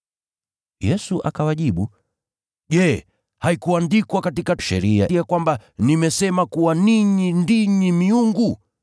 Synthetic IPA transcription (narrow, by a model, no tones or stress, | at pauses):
jɛsuʔa̰kawaʄiɓu | ʄɛ | haikuandikwakatikaʃɛ̰ɾia̰ijakwambanimɛsɛmakuwaniɲindiɲimiuŋɡu